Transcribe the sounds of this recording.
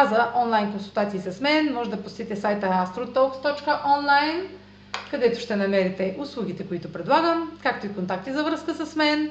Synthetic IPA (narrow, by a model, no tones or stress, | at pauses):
azəɔnlˠajnkonsulˠt̪at̪siːsɐsmɛnmɔʒɛd̪ɐpost̪it̪ɛsajt̪əast̪ɾot̪ɔkst̪ɔt͡ʃkəʔɔnlˠajn | kɐd̪ɛt̪ʊ̥ʃt̪ɛnɐmɛɾit̪ɛʔʊslˠuɡ̟ʲit̪ɛkʊit̪ʊpɾɛd̪lˠaɡəmkak̚t̪oikont̪ak̚t̪izɐvɾɤskəsɐsmɛn